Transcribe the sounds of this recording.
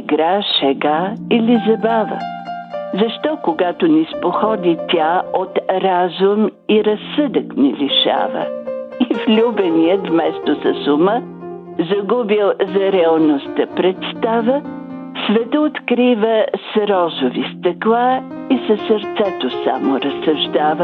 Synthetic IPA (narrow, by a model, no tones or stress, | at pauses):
ɡɾaʃɛɡailizɐbavə̰ | zɐʃt̪ɔkoɡat̪onispoxɔd̪it̪ʲaot̪ɾazʊmiɾɐsəd̪əkniliʃa̰və̰iflʲubɛniət̪vmɛst̪osɐsʊmə | zɐɡubilˠzɐɾɛɐlˠnost̪əpɾɛt̪st̪avə | svɛt̪əot̪kɾivəsɾɔzʊvist̪əklˠa | isəsəɾt̪sɛt̪osa̰moɾəsɐʒd̪avə